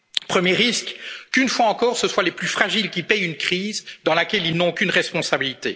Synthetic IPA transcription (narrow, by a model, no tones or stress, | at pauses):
pχəmjeʁiskkynfwaɑ̃kɔːʁsəswaleplyfχaʒilkʲipɛjynkχiːzd̪ɑ̃lakʲɛlilnɔ̃okʲynʁɛspɔ̃sabilit̪e